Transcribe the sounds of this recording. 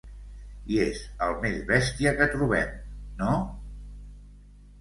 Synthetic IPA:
iezəlˠmezβɛst̪iəkət̪ɾuβ̞ɛ̰mno

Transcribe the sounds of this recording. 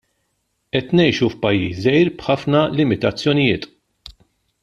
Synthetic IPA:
ʔɛt̪nɛjʃufpɐjːḭːsɛjɾb̥ħɐfnɐlɪmɪt̪ɐt͡sːjɔnɪjɪːt̪

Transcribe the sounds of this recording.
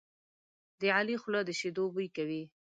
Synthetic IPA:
d̪əʕalixlɑd̪əʃed̪obujkawi

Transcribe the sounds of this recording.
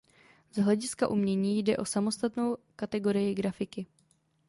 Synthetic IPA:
z̥ɦlɛɟɪskaʔumɲɛɲiːjdɛʔo̞samo̞st̪at̪no̞wkat̪ɛɡo̞ɾɪjɪɡɾafɪkɪ

